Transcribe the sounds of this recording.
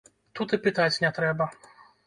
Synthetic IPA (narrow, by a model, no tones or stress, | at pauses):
t̪ut̪ɨpɨt̪at͡sʲnʲɛt̪ɾɛbɐ